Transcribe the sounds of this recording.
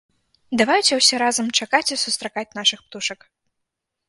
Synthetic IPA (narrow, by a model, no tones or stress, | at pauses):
d̪avajut͡sʲɛwsʲɛɾazɐmt͡ʂakat͡sʲisust̪ɾakat͡sʲnaʂɨxpt̪uʂɐk